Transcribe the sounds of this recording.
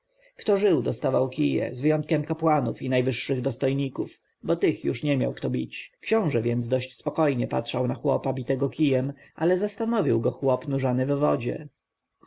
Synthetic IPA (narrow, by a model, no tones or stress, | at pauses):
kt̪ɔʐɘwd̪ɔst̪avawkʲijɛ̰zvɘjɔnt̪̚kʲɛmkapwanufinajvɘʂːɘɣd̪ɔst̪ɔjɲikuf | bɔt̪ɘxjuʂɲɛmʲja̰wkt̪ɔbʲit͡ɕkɕɔ̃w̃ʐɛvʲjɛnd̪zd̪ɔɕt͡ɕspɔkɔjɲɛpa̰tʂawnaxwɔpabʲit̪ɛɡɔkʲijɛmʔalɛzast̪anɔvʲiwɡɔxwɔpnuʐanɘvːɔd͡ʑɛ̰